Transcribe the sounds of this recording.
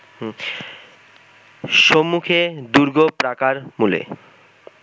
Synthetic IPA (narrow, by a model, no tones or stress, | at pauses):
ʃomːukʰed̪uɾɡopɾakaɾmulḛ